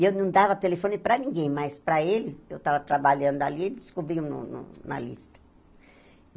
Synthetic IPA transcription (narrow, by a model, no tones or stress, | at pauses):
ewnɐ̃w̃d̪avɐt̪elefõnɪpɾɐnĩŋɡẽj̃majspɾɐelɪewt̪avɐt̪ɾabaʎɐ̃nd̪ʊalield̪ɪ̥skobɾiunʊ̰nʊ̰nɐ̰list̪ɐ̥